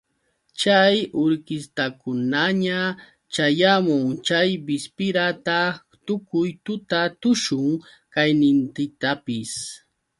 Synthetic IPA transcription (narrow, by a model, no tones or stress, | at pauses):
t͡ʃajʊɾkɪst̪akʊnaɲa | t͡ʃajamʊŋt͡ʃajbɪspɪɾat̪a | t̪ʊkʊjt̪ʊt̪at̪ʊʃʊŋ | kajnɪnt̪ɪt̪apɪs